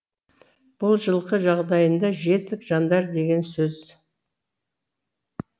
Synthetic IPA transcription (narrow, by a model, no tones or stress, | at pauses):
b̥ʊlˠʒəlˠqəʒɑʁd̪ɑjənd̪ɑʒe̞t̪ːɪkʒɑnd̪ɑɾd̪e̞ɡʲe̞nsɵz̥